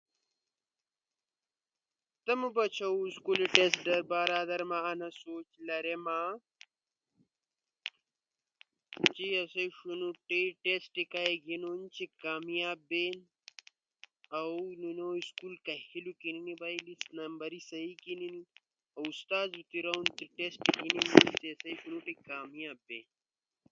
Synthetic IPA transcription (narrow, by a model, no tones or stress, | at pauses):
t̪ɐmubɐt͡ɕʰɐwskuliʈesɖɐɾbaːɾaːd̪ɐɾmaːnɐsoːt͡ʃlɐɾemaː | t͡ɕiɐseʂunuʈeʈesʈikaeɡinont͡ʃikaːmijaːbːen | ɐwnunoːiskulkɐhilukininibɐjlisnɐmbɐɾisɐikinini | ɐwust̪aːzut̪iɾɐunt̪iʈesʈikininunt̪iɐsɐjʃunuʈikaːmijaːbːeːn